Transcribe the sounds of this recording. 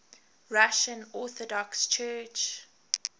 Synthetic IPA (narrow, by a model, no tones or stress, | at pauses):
ɹaʃə̃nɔθɔdɔkst͡ʃʰɜt͡ʃ